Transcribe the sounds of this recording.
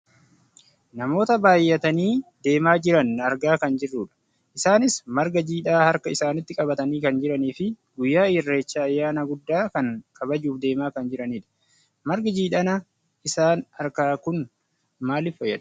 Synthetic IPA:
nɐmo̞ːt̪ɐbaːjːɐt̪ɐniːd̪e̞ːmaːd͡ʒɪɾɐnɐɾɡaːkɐnd͡ʒɪrːuːᶑɐ̥ | ʔɪsaːnɪsmɐɾɡɐd͡ʒiːᶑaːhɐɾkɐɪsaːnɪt̪ːɪkʼɐbɐt̪ɐniːkɐnd͡ʒɪɾɐniːfɪɡʊjːaːɪrːe̞ːt͡ʃːaːjːaːnɐɡʊd̪ːaːkɐŋkʼɐbɐd͡ʒuːfd̪e̞ːmaːkɐnd͡ʒɪɾɐniːᶑɐ̥ | mɐɾɡɐd͡ʒiːᶑɐnɐ | ʔɪsaːnɐɾkaːkʊn | maːlɪfɔjɛᶑɐ̥

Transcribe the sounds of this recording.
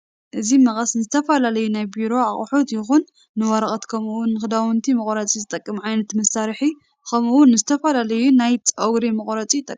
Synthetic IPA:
ʔɨzimɐχʼɐsnɨzɨt̪ʰɐfɐlalɐjunajbiɾo̞ʕaχʼħot̪jɪxunː | ɨwɐɾɐχʼɐt̪kʰɐmuwʊnːɨxɨd̪awɨnt̪ʰimɨχʼɾɐt͡sʼizɨt̪ʼɐkʼːɨmʕajnɐt̪mɐsaɾħi | kʰɐmuwʊnːɨzɨt̪ʰɐfɐlalɐjunajt͡sʼɐwɾemɨχʼɾɐt͡sʼit̪ʼɐkʼː

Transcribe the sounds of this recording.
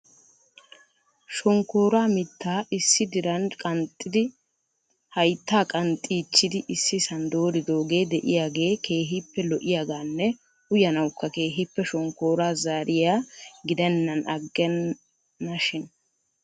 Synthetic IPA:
ʃɔŋko̞ːɾaːmɪt̪ːaːɪsːɪd̪ɪɾɐnkʼɐnt̪ʼːɪd̪ɪ | hɐjt̪ːaːkʼɐnt̪ʼːiːt͡ʃːɪd̪ɪʔɪsːɪsɐnd̪o̞ːɾɪd̪o̞ːɡe̞ːd̪ɛʔɪjaːɡe̞ːkʰe̞ːɦɪpːɛlɔʔɪjaːɡaːnːɛ | ʊjɐnɐwkːɐke̞ːɦɪpːɛʃɔŋko̞ːɾaːzaːɾɪjaːɡɪd̪ɛnːɐnɐɡːɛnː | ɐʃɪn

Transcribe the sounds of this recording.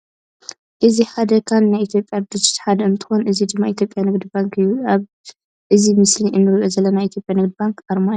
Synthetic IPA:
ʔɨziħad̪ɐkʰanːajit̪ʰjopʼjabd̪ɨt͡ʃːi̥t̪ħad̪ɐɨnt̪ʰɨ̥xonʔɨzid̪ɨmːait̪ʰjopʼjanɨɡd̪ibaŋkʰɨjːuaβ | ʔɨzimɨsliʔɨmːɨɾʔozɐlːɐnajʔit̪ʰjopʼjanɨɡd̪ibaŋkʔaɾmaju

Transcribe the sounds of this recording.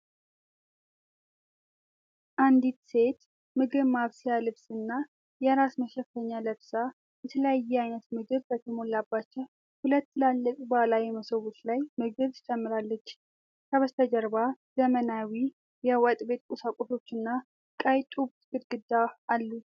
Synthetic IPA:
ʔand̪it̪se̞t̪ | mɨɡɨβmaβsjalɨβsɨnːa | jɛɾasməʃɛfːəɲːaləβsa | jɛt̪ʰələjajːɛajnət̪mɨɡɨβbət̪ʰəmo̞lːabːat͡ʃːɛw | hulət̪ːlalːəkʼbəlajɛməsəwut̪lajmɨɡɨβt̪ʰɨt͡ʃʼɛmːɨɾalːət͡ʃː | kʰəβəst̪ʰəd͡ʒəɾbazəmənawi | jɛwat̪ʼbe̞t̪kʼusakʷʼoso̞t͡ʃːɨnːa | kʼajt̪ʼubt̪ʰkɨd̪ɡɨd̪aalːu

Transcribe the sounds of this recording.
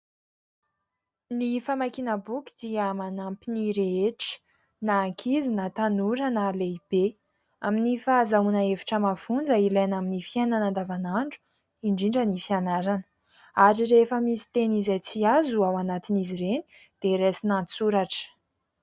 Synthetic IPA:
nifamakinəbukʲi̥d̪̥iəmanampiniɾeeʈ͡ʂi̥ | naːŋkʰizinat̪anuɾanəleib̥e | aminifazaunəevi̥ʈ͡ʂəmafund͡zəilajnaminifijenanand̪avanaɳɖ͡ʐu̥ | iɳɖ͡ʐiɳɖ͡ʐənifianaɾanə̥ | aɾiɾefəmisi̥t̪enizajt͡siazuawanat̪inizireni̥ | d̪̥eɾesinant͡suɾaʈ͡ʂə̥

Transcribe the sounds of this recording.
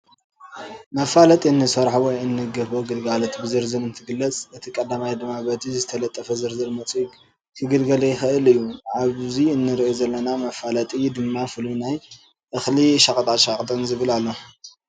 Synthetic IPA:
mɐfalɐt̪ʼiɨnːɨsɐɾħuwɔjɨnːɨɡɐfoɡɨlɡalot̪bɨzɨɾzɨnɨnt̪ʰɨɡɨlːɐt͡sʼʔɨt̪ʰikʼɐd̪amajd̪ɨmːabɐd̪izɨt̪ʰɐlɐt̪ʼːɐfɐzɨɾzɨlmɐt͡sʼiɡ | kʰɨɡɨlɡɐlɐjɪxɨʔɨlɨjːuʕaβziɨnːɨɾʔozɐlːɐnamɐfalɐt̪ʼid̪ɨmːafɨlunaj | ʔɨxliʃakʼt̪ʼat̪ʃakʼt̪ʼɐnzɨβɨlalːo

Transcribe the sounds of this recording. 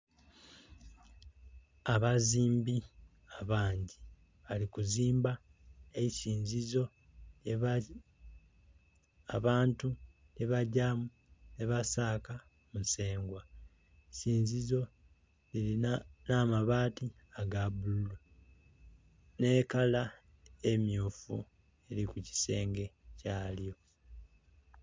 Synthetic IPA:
aβaziːmbi | aβaːɲɟi | βalikuziːmba | eisiːɲzizo̞ | e | aβaːntu | neβaɟamu | ne̞βasaːka | muse̞ːŋɡwa | siːɲzizo̞ | eɾinaːmaβaːti | aɡaβululu | ne̞kala | e̞mjuːfṵ | e̞ɾikuci̥se̞ːŋɡe̞caːljo̞

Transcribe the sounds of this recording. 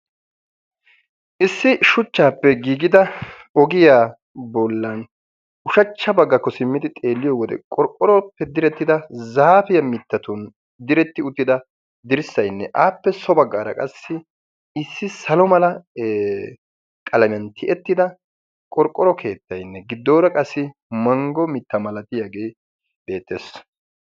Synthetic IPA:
ʔɪsːɪʃʊt͡ʃːaːpːɛɡiːɡɪd̪ɐ | ɔɡɪjaː | bɔlːɐn | ʊʃɐt͡ʃːɐbɐɡːɐkːɔsɪmːɪd̪ɪt̪ʼe̞ːlːɪjɔwɔd̪ɛ̰kʼɔɾkʼːɔɾɔpːɛd̪ɪɾɛt̪ːɪd̪ɐzaːfɪjɐmɪt̪ːɐt̪ʊn | d̪ɪɾɛt̪ːɪʊt̪ːɪd̪ɐ | d̪ɪɾɪsːɐjnːɛʔaːpːɛsɔbɐɡːaːɾɐ̰kʼɐsːɪ | ɪsːɪsɐlɔmɐlɐ | kʼɐlɐmɪjɐnt̪ʰɪʔɛt̪ːɪd̪ɐ | kʼɔɾkʼːɔɾɔkʰe̞ːt̪ːɐjnːɛɡɪd̪ːo̞ːɾɐkʼɐsːɪmɐŋɡɔmɪt̪ːɐmɐlɐt̪ɪjaɡeː | b̥e̞ːt̪ːḛs

